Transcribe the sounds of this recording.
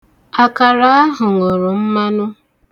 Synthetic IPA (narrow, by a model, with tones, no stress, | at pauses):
a˨ka˨ɾa˦a˦ɦʊ˨ŋo˨ɾʊ˨m̩˦ma˦nʊ˦